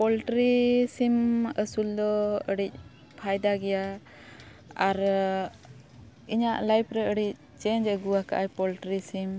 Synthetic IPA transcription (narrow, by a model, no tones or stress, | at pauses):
pɔlʈɾisiməsuld̪ɔəɽic̚ | pʰajd̪aɡɛja | aɾ | iɲaʔlajpʰɾɛəɽic̚ | t͡ʃɛɲd͡ʒəɡuwaka̰ʔajpɔlʈɾisim